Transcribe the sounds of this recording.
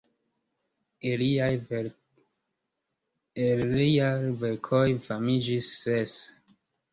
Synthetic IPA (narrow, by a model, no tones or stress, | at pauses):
eliaj | eliajveɾkʰojfamid͡ʒisːes